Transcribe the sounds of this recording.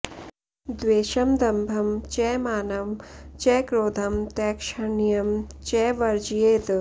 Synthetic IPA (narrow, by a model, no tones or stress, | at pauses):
d̪ʋeːʃɐmd̪ɐmbʱɐmt͡ʃɛːmaːnɐmt͡ʃɛːkɾoːd̪ʱɐmt̪ɛːkʃɐɳijɐmt͡ʃɛːʋɐɾd͡ʒjeːt̪